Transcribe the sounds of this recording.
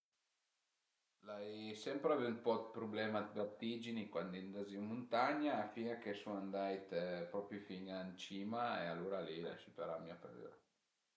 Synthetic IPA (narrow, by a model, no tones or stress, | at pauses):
lajsɛmpɾaveumpɔd̪pɾublɛːmad̪bart̪ːid͡ʒinikwand̪ind̪aziumːunt̪aɲaːfiŋakesunand̪ajt̪pɾɔpɾjufiŋant͡ʃiːmaealuːɾalila̰ʃipaɾamiapɛɾḛɾa